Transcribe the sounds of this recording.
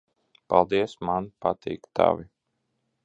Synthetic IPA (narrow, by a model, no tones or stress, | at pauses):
palˠd̪iɛsmanpat̪ʰḭːkt̪a̰vi